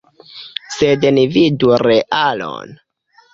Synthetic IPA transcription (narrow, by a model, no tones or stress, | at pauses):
sednividuɾeʔalo̰n